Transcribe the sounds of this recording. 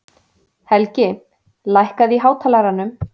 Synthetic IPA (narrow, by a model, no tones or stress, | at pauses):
hɛlcɪ | lajhkaðiɦaːwt̪ʰalaɾanʏm